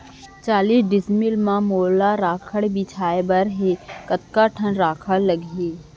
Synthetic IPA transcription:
t͡ʃaːliːsɖɪsmɪlmãmoːlaɾaːkʰəɽbit͡ʃʰaːebəɾɦekət̪kaʈʰənɾaːkʰəlɐɡeː

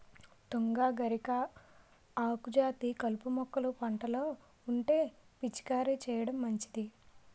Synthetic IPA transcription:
t̪oŋɡaːɡɐɾikɐ | aːkud͡ʒaːt̪ikɐlpumɔkːɐlupɐɳʈɐloː | uɳʈe̞ːpit͡ʃi̥kaːɾit͡ʃɛːjɐɽɐmːɐɲt͡ʃi̥d̪i

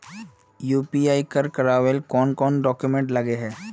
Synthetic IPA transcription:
juːpiaːikɐɾkɐɾaːʋelkɔːnkɔːnɖɔːkjumẽɳʈlɐɡeɦɛː

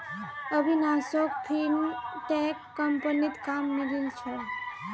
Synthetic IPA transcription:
əbʱinasok̚pʰinʈekːəmpənit̪kamniɾilt͡ʃʰe

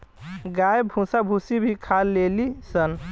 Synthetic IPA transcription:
ɡajbʱũsabʱusibʱikʰalːelisən

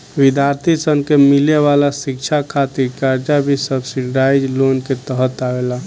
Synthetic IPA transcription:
ʋid̪ʱjaɾt̪ʰisənkemileʋalasik̚t͡ʃʰakʰat̪iɾkaɾd͡ʒabʱisəbsiɖɖaɪd͡ʒlonket̪əɦət̪aʋela

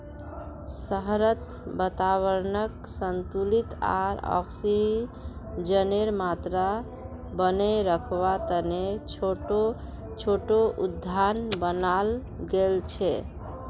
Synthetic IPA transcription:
səɦɾət̪ | bət̪aβəɾnəksənt̪ulit̪a̰ɾɔ̰ksiɾi | d͡ʒəneɾmat̪ɾa | bəneɾəkʰβat̪əneoʈo | t͡ʃʰoʈoʔud̪ʱːanbənal | ɡelt͡ʃʰɛ

